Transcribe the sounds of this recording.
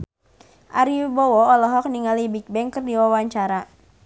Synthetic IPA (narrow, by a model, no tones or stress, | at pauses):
ʔa̰ɾibɔwɔɔlɔɦɔk̚niŋalibik̚bɛŋkɨrdiwawaɲt͡ʃaɾa